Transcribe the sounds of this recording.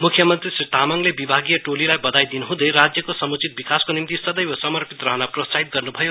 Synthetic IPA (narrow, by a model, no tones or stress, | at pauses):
mukʰjʌmʌnt̪risrit̪amʌŋlebibʱaɡijʌʈolilajbʌd̪ajd̪inuɦũd̪eɾad͡zjʌkosʌmut͡sit̪̚bikaskonimt̪isʌd̪ʌjbʌsʌmʌrpit̪rʌɦʌnaprot͡saɦit̪̚ɡʌrnubʱʌjo